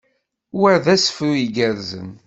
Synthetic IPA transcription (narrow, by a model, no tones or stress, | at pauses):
wəɾðæsfuiɡəɾzə̰n